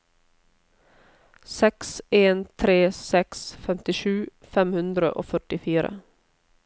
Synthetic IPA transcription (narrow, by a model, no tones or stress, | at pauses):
sɛkseːnt̪ʰɾeːsɛksfɛmt̪ɪʃʉː | fɛmhʉnd̪ɾə̰ʔo̰ːfœʈɪfiːɾə̰